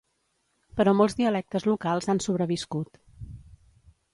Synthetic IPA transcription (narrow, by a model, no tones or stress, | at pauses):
pəɾɔmɔlˠzðiəlɛk̚t̪əzlukalˠzansuβɾəβiskut̪